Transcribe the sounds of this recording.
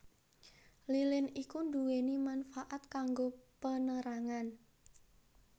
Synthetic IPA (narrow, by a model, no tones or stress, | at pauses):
lilɪnikunduwenimanfaʔat̪̚kaŋɡopənəɾaŋan